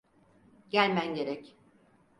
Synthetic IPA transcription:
ɟælʲmænɟe̞ɾɛc

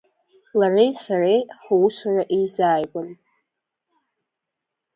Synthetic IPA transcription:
larejsarejħwusaraʔejzaːjɡʷan

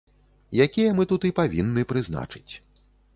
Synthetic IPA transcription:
jakʲijɐmɨt̪ut̪ipavʲinːɨpɾɨzna̰t͡ʂɨ̥t͡sʲ

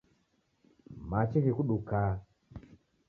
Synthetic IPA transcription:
mat͡ʃiɣikuɗuka

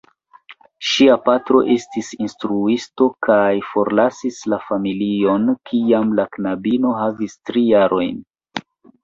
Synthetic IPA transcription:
ʃiapatɾo̞̰ʔe̞stisinstɾuisto̞kajfo̞ɾlasislafamilio̞nkʰiamlaknabino̞havistɾijaɾʔo̞jn

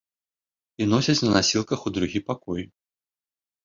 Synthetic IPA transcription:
inɔsʲɐt͡sʲnɐnasʲilˠkɐxud̪ɾuɣʲipakɔj

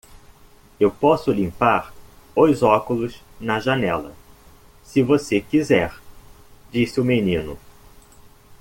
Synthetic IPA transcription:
ewpɔsʊlĩpaɾ | ojzɔkʊlʊz | nɐʒɐnɛlɐ̰ | sɪvosekizɛɾ | d͡ʒisɪʊmenĩnʊ

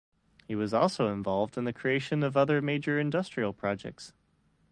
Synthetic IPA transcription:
hiwʌzɔlˠsoʊə̃ɱvɑlˠvdɨ̃nðɨkʰɹ̥ieɪʃɨ̃nʌvʌðə˞meɪd͡ʒə˞ɨ̃ndʌstɹ̥il̩ˠpʰɹ̥ɑd͡ʒɛ̰k̚ts

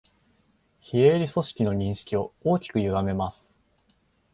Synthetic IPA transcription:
çieɾʲiso̞ɕi̥kʲino̞ɲ̟ĩɰ̃ɕi̥kʲio̞oːkʲi̥kɯ̟jɯ̟ɡame̞masɨ̥

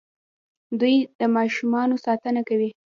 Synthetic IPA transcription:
d̪ujd̪̥əmɑʃumɑnosɑt̪ənakawi

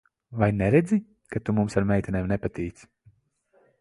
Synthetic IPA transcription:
vajnɛɾɛd̪zʲi | kat̪umumsaɾmʲɛjt̪ʲinʲeːmnɛpat̪iːt̪s

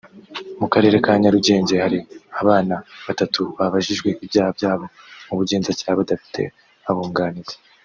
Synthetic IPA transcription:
mukaɾe̞ːɾe̞kaːɲaɾuɟe̞ːɲɟe̞haɾiaβaːnaβatatʰuβaβaʒiʒɡwe̞ʔibjaːhabjaːβo̞ | muβuɟe̞ːnzacaːβadafi̥tʰe̞̰ | aβuːŋɡaːniɾe

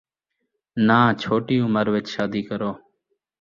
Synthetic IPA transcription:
nãːt͡ʃʰoːʈiːʊməɾʋɪt͡ʃʃaːd̪iːkəɾoː

